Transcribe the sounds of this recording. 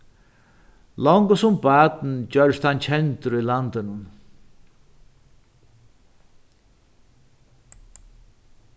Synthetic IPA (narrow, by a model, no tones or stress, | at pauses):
lɔwŋkəsʊmbaːt̪n̩t͡ɕœɾst̪hant͡ɕʰɛnt̪ɪɾʊjlant̪ɪnʊn